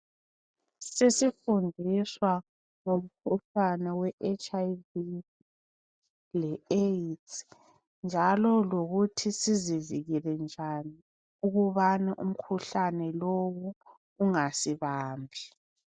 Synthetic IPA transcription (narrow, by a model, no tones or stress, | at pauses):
sesifundʱiswa | ŋom̩kʰuɬanɛwɛʔet͡ʃʰʼajvi | lɛet | nd͡ʒʱalɔloɣutʰisiziviɣilɛnd͡ʒʱani | uɣuβanaʔṵm̩kʰuɬanɛlowu | uŋasiβaːmbʱi